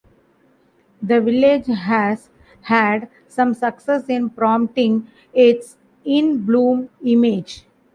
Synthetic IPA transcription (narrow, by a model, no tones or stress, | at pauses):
d̪əʋɪled͡ʒɦæz | hæɖ | sʌ̃msʌksesɪ̃npɾɔ̃ːmʈɪ̃ŋɡ | ɪʈs | ɪ̃nblũːmɪmed͡ʒ